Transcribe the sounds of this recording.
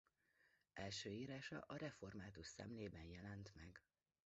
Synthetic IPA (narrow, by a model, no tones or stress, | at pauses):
ʔɛlʃøːiːɾaːʃɒ̰ʔɒɾɛfo̞rmaːt̪uʃsɛ̰mleːbɛnjɛlɛnt̪mɛɡ